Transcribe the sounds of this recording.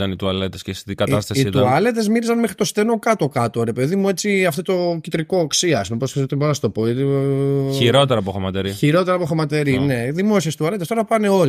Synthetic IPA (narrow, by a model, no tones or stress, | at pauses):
ɐnit̪uɐlet̪escest̪it̪iɡɐt̪ɐst̪ɐsisit̪uɐle̞t̪ezmiɾizɐnmexɾit̪o̞st̪e̞no̞kɐt̪o̞kɐt̪o̞ɾe̞pe̞ðimue̞t͡siɐft̪ot̪o̞cit̪ɾiko̞ːksiɐspumeposket̪ot̪iboɾɐnɐst̪o̞poet̪çiɾo̞t̪eɾɐpoxomɐt̪eɾiçiɾo̞t̪eɾɐpo̞xomɐt̪e̞ɾine̞ðimo̞siest̪uɐlet̪est̪o̞ɾɐpɐne̞o̞l